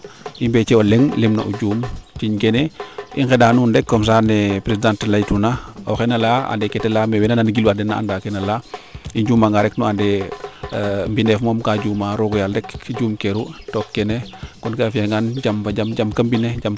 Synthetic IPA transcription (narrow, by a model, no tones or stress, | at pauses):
ʔimbɛt͡ʃɛɔleŋlemnɐ̰ʔuɟuːmt͡ʃiɲkɛneiŋxɛdaːnundɛkːɔms̬anɛpɾesidãntlajtunaɔxɛnɐlaa̰ndɛkɛtɛlamɛwɛnananɡiluadɛna̰a̰ndakɛnɐlaiɲɟuːmaŋɡaɾɛknuadɛ | mbinɛfmɔːmkaːɟuːmaɾoɡɔjaldɛkɟuːmkeɾutɔkːɛnekɔnkafeŋɡanɟambaɟamd͡ʒamkɐmbineɟam